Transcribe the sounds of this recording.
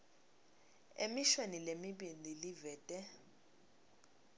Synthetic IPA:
emiʃwenilemiɓinilivɛːtʼɛ

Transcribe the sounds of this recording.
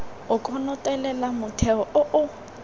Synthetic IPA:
ʊkʰʼɔnɔtʼɛlɛlamʊtʰɛɔʔʊʔʊ

